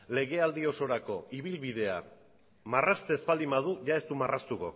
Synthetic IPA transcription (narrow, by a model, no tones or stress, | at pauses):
le̞ɣe̞ald̪io̞so̞ɾako̞iβ̞ilβið̞e̞a̰ | marast̪ezbald̪imbaðuʝae̞st̪umarast̪uɣo̰